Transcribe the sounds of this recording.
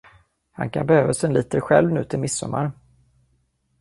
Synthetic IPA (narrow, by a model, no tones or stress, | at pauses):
ha̰nkʰanbɛhøːvasɛnliːt̪əɧɛlvnʉ̟ːt̪ʰɪlmɪsːɔ̰mːaɾ